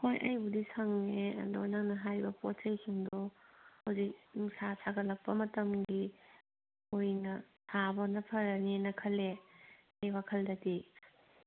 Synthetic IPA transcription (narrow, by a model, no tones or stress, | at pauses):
kʰojʔɐjbudisʰɐŋneɐ̰dojnɐŋnɐɦajbɐpɔt̚sʰɐjsʰuŋdɔhɐwzik̚nŋsasʰaɡɐlɐk̚pɐmɐtɐmɡi | ojnɐ | tʰabɐnɐpʰɐɾɐnenɐkʰɐle | ejwakʰɐldɐdi